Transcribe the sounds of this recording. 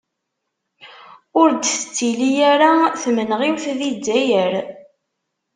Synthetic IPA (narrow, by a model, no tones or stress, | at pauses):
ʊɾd̪θət͡sːilijæɾaθmənʁiwθðid͡zæjəɾ